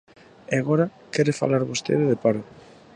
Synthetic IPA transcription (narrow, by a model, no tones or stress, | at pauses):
eaɣoɾa | kɛɾefa̰laɾβost̪ḛðɪðepaɾo